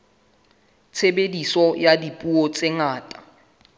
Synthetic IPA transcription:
t͡sʰebedisɔjadipʼuɔt͡sʼɪŋaːtʼḁ

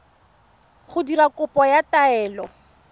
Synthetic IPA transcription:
χʊdiɾakʊpɔjataɛːlɔ

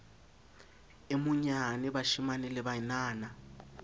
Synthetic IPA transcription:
ɪmʊɲanɪbaʃimanɛlɪbanaːna

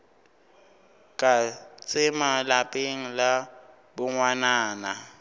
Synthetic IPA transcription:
kʼat͡sʼɪmalapʼeŋ̩la | bʊŋwanaːna

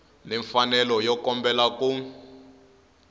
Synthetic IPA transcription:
nɛɱfanɛlɔjɔkɔmbɛlaku

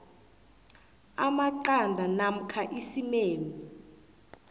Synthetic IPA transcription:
amaǃandʱanam̩kʰaʔisimeːni

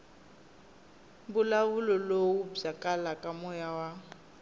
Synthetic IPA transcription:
bʊlawulɔlowub͡ʐakʼalakʼamɔjawa

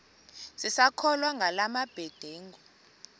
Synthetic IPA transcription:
sisakʰɔlwaŋɡʱalamab̥ʱɛd̥ʱeːŋɔ

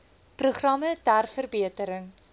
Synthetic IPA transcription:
pruχrɐmətærfərbiətəɾəŋ

